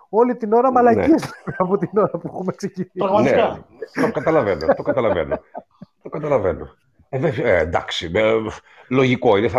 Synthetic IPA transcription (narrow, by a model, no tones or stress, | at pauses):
o̞lit̪ino̞ɾɐmɐlɐnizlemɐpot̪ino̞ɾɐpuexumeksecinipɾɐɣmɐtnieɐt̪okɐt̪ɐlɐvenot̪okɐt̪ɐlɐvḛno̰ | t̪o̞kɐt̪ɐlɐvḛno̰ | eveend̪ɐ̰ksime | lo̞ʝiko̞ineθɐ